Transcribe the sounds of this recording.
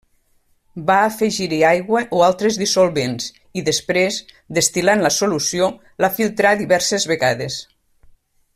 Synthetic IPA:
baːfeʒiɾiajɣwəʔoalˠt̪ɾezðisolˠβens | iðəspɾez | d̪est̪ilanləsolusio | lafilˠt̪ɾaðiβɛɾsezβeɣaðes

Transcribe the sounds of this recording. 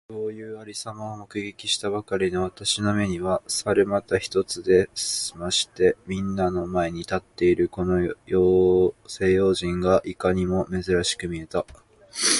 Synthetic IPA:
so̞ːjɯːaɾʲisamaomokɯ̟ɡe̞kʲiɕi̥t̪abakaɾʲino̞β̞at̪aɕino̞me̞ɲ̟iβasaɾɯmat̪açi̥t̪o̞t͡sɨd̪e̞simaɕi̥t̪e̞mʲĩnːano̞mae̞ɲ̟it̪at̪ːe̞iɾɯ̟ko̞no̞joːse̞ːjo̞ːʑĩŋɡaʔikaɲ̟imo̞me̞zɨɾaɕi̥kɯ̟mʲie̞t̪a

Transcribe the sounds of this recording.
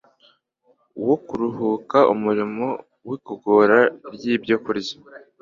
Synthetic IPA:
wokuɾuhuːkaʔumuɾimo̞ | wikoɡoɾaɾjiːbjokuɾizḁ

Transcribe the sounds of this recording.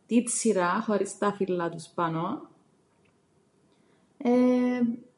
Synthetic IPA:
t̪it̪siɾɐxoɾist̪ɐfilːɐt̪uspɐno | e

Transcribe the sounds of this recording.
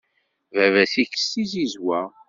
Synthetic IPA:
vævæsikə̥sizizwæ

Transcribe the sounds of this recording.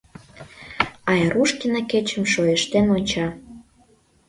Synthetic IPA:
ɑjeɾuʃkinɑket͡ɕə̆mʃojəʃt̪enonʲt͡ɕɑ

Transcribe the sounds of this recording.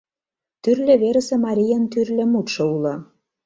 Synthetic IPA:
t̪yrlʲĕβeɾə̆sĕmɑɾʲijənt̪yrlʲĕmut̪ʃɤ̆ulɤ̆

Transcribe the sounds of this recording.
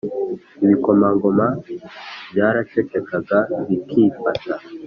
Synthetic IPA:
iβikomaŋɡoma | bjaːɾatekekaɡaβikʰiːfata

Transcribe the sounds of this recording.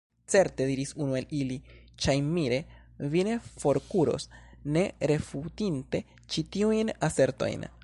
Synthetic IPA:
t͡se̞ɾte̞diɾisunuelili | t͡ʃajmiɾe̞ | vine̞fo̞ɾkuɾo̞̰sne̞ɾe̞futinte̞ | t͡ʃitiujnase̞ɾto̞̰jn

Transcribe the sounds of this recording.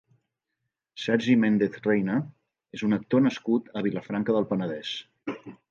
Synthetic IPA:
sɛɾʒimend̪eθrejnə | ezunək̚t̪onəskut̪əβ̞iləfɾaŋkəðəlˠpənəðɛs

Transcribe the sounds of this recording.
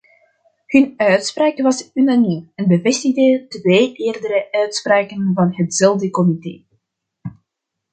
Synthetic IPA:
hɵnœɥtspraːkʋɑsynanimɛnbəvɛstɪɣdətʋeːʔeːrdəɾəœɥtspraːkənvɑnɦətz̥ɛlˠdəkɔmitḛː

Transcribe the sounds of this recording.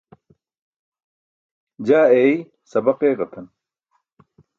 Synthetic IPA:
d͡ʑaːei | sɐbɐqeːʁɐt̪ʰɐn

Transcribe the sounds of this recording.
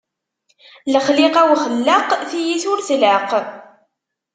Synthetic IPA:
ləχlɪqæwχəlːəqθijiθʊɾθləq

